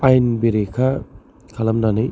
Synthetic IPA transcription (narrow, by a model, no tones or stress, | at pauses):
ajnbiɾekʰa | kʰɐlɐmnanɯj